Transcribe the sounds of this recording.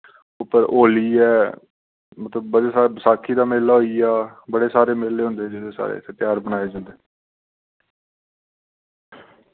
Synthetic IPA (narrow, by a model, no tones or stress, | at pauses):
ʊpəɾʔoːliːɛː | mət̪ləbːəɽesaːbsaːkʰːiːd̪aːmeːlaːɦoːiːaːbəɽeːsaːɾeːmeːleːɦõnd̪eːd͡ʒeːd̪eːsa̰ːɾḛːset̪ɪjaːɾbənaːeːd͡ʒãːnd̪eː